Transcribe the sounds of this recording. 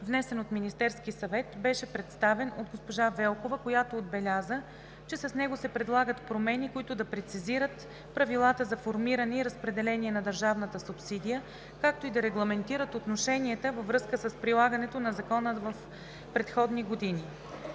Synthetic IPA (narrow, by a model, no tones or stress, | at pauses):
vnɛsɛnot̪minist̪ɛɾskisɐvɛt̪bɛʃɛpɾɛt̪st̪avɛnod̪̚ɡospoʒavɛlˠkovəkojat̪oːd̪̚bɛlʲazə | t͡ʃɛsɐsnɛɡosɛpɾɛd̪lˠaɡət̪pɾomɛnikoit̪ʊd̪ɐpɾɛt̪siziɾət̪ | pɾɐvilˠat̪əzɐfoɾmiɾənɛiɾəspɾɛd̪ɛlɛnʲiɛnɐd̪əɾʒavnət̪əsupsid̪ijə | kak̚t̪oid̪ɐɾɛɡlˠɐmɛnt̪iɾət̪ot̪noʃɛniɛt̪əvɐvɾɤskəsəspɾilˠaɡənɛt̪onɐzɐkɔnəvɐf | pɾɛt̪xɔd̪niɡod̪inʲi